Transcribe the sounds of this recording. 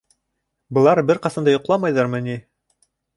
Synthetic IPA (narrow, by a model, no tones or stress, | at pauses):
bɤ̆lˠɑɾbɘɾqɑsɑnd̪ɑjŏqlˠɑmɑjðɑɾmɤ̆ni